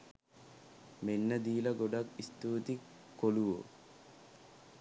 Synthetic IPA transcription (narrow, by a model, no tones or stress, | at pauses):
menːəd̪iːlɐɡoɖakist̪uːt̪ik | kːoluʋo̰